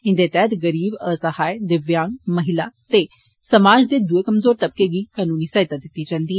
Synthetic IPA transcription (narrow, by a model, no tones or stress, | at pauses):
ɪ̃nd̪eːt̪ɛːt̪ɡəɾiːbəsəhaːed̪ɪʋjãːŋɡməɦɪlaːt̪eː | səmaːd͡ʒd̪eːd̪ueːkəmzoːɾt̪əb̚keːɡiːkaːnuːniːsaːɦɪt̪aːd̪ɪt̪ːiːd͡ʒãːnd̪iː